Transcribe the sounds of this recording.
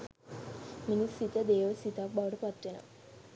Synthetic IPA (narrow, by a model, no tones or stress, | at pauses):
minisit̪jad̪eʋəsit̪ak̚bawɽəpat̪ɾena̰